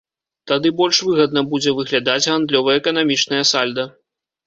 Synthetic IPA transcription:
t̪ad̪ɨbɔlʲʂvɨɣɐd̪nɐbud͡zʲɛvɨɣlʲad̪ad͡zʲɣand̪lʲɔvɐjɐɛkɐn̪amʲit͡ʂnɐjɐsalʲd̪ɐ

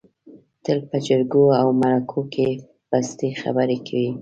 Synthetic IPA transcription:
t̪əlpəd͡ʒəɾɡoawmaɾakʰokʰe | b̥ast̪exa̰bəɾekʰawi

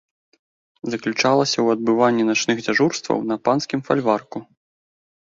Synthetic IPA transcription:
zɐklʲut͡ʂalˠɐsʲɐwɐd̪̚bɨvanʲːinat͡ʂnɨxd͡zʲaʐurst̪vɐ̰wnɐpanskʲimfa̰lʲvarku

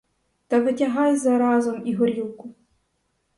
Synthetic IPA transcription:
t̪ɐʋɪtʲɐɦɑjzɐɾɑzɔmiɦɔɾʲilˠkʊ

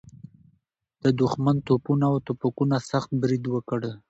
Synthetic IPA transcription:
d̪̥əd̪ʊxmant̪opunaawt̪opakunasaxt̪̚bɾid̪wəkəɽə

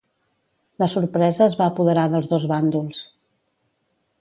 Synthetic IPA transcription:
ləsuɾpɾɛzəːzβaəːpuðəɾaðəlˠzðozβand̪ulˠs

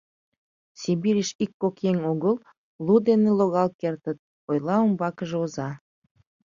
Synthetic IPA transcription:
sibiɾʲiʃikːokjeŋoɣəl | lud̪eneloɣɑlkert̪ə̆t̪̚ | ojlɑumbɑkəʒeozɑ

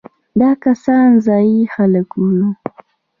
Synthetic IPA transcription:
d̪akasaːnzaixaləkulu

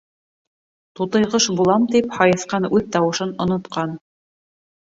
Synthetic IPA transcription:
t̪ut̪ɤ̆jʁɤʃbulˠɑmt̪iphɑjɤ̆θqɑnʉðt̪ɑwɤ̆ʃɤnŏnŏt̪qɑn

